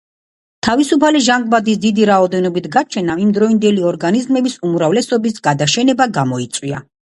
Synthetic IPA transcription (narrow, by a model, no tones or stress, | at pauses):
t̪ʰavisupʰaliʒaŋɡbad̪isd̪id̪iɾaɔd̪ɛnɔbit̪ʰɡat͡ʃʰɛnaimd̪ɾɔind̪ɛliɔɾɡanizmɛbisumɾavlɛsɔbisɡad̪aʃɛnɛbaɡamɔit̪sʼwia̰